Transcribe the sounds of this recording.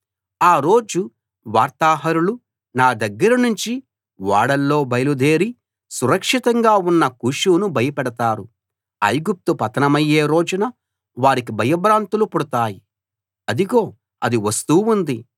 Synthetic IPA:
aːɾo̞ːd͡ʒu | ʋaːɾt̪aːɦɐɾulu | naːd̪ɐɡːɐɾɐnuɲt͡ʃi | ʋaːɽɐlːo̞ːbɐjɐlud̪e̞ːɾi | suɾɐkʂit̪ɐŋɡaːunːɐkuʂuːnubɐjɐpɛɽɐt̪aːɾu | ɐ̰jɡup̚t̪upɐt̪ɐnɐmɐjːe̞ːɾo̞ːd͡ʒunɐ | ʋaːɾik̬ibʱɐjɐbɾaːnt̪ulupuɽut̪aːji | ɐd̪iɡo̞ː | ɐd̪iʋɐst̪uːund̪i

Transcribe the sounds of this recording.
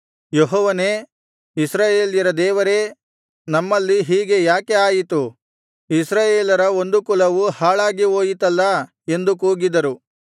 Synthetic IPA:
jeɦɔːʋɐne̞ː | isɾaːjeːljɐɾɐd̪ɛːʋɐɾe̞ | nɐmːɐlːiɦiːɡe̞jaːke̞aːjit̪u | isɾaːjeːlɐɾɐo̞nd̪ukulɐʋuhaːɭaːɡioːjit̪ɐlːɐ | e̞nd̪ukuːɡid̪ɐɾu

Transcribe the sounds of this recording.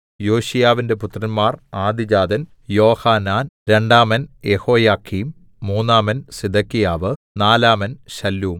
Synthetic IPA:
joːɕijaːʋinde̞put̪rɐnmaːraːd̪id͡ʑaːd̪ɐn | jo̞ːhaːnaːnɾe̞ɳɖaːmɐnjeho̞ːjaːkʰːiːmː | uːnːaːmɐnsid̪ʱɐkːijaːʋɨ | naːlaːmɐnɕɐlːuːm

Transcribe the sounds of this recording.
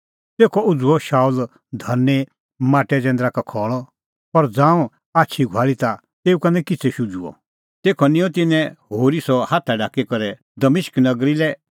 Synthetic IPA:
t̪eːkʰɔʊd͡zuɔʃaːul | d̪ʱɐnːe | mãːʈɛd͡zɛ̃ːnd̪ɾakakʰɔːɭɔ | pɐɾd͡zãːũ | aːt͡ʃʰiɡʱwaːɭit̪a | t̪eːukɐnɛ̃kɪt͡sʰɛʃud͡zuɔ̰ | t̪eːkʰɔnĩɔ̃t̪ɪnɛ̃ɦoːɾisɔhaːt̪ʰaɖaːkikɔɾɛ | d̪ɐmɪʃknɐɡɾilɛ

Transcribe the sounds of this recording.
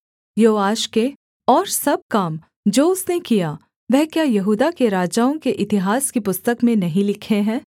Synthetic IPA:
joːaːʃke | ɔːɾsɐb̚kaːm | d͡ʒoːʊsnekija | ʋɛɦkjajɐɦuːd̪akeɾaːd͡ʒaːõkeʔɪt̪ɪɦaːskipʊst̪əkmẽnɐɦĩlɪkʰeɦɛ̃ː

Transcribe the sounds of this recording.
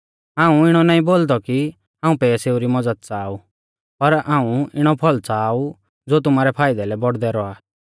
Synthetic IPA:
aːũɪɽ̃ɔnaːĩboːld̪ɔki | ɦãːũpɛːseːuɾimɔd͡zəd̪̚t͡saːu | pɐɾaːũɪɽ̃ɔpʰɔlt͡saːu | d͡zoːt̪̬ʊmaːɾɛpʰaːɪd̪ɛlɛbɔɽd̪ɛɾɔa

